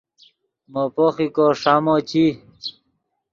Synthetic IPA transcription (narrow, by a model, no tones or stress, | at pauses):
mopoχikoʂamot͡ɕi